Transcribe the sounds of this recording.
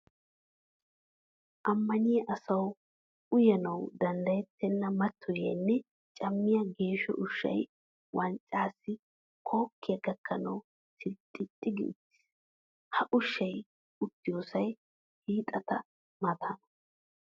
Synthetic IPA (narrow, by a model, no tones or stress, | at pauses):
ʔɐmːɐnɪjɐʔɐsɐw | ʊjɐnɐwd̪ɐnd̪ɐjɛt̪ːɛnːɐmɐt̪ʰːɔjɐnːɛ | t͡ʃʼɐmːɪjɐɡe̞ːʃɔ̰ʔʊʃːɐ̰j | wɐnt͡ʃʼːaːsːɪ | kʰo̞ːkːɪjɐɡɐkʰːɐnɐw | tɪt̪ʼːɪt̪ʼːɪɡɪ̰t̪ːɪ̥ | hɐʔʊʃːɐj | ʊt̪ːɪjoːsɐj | hiːt̪ʼɐt̪ɐ | mɐt̪ʰanɐ